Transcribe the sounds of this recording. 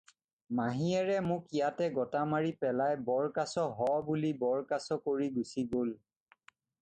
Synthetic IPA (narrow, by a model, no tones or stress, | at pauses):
maɦiɛɹɛmʊ̃kijatɛɡɔtamaɹipɛlajbɔɹkasɔɦɔbulibɔɹkasɔkoɹiɡusiɡol